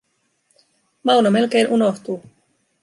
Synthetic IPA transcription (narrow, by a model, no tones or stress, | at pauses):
mɑwnome̞lk̟e̞jnʔuno̞ht̪u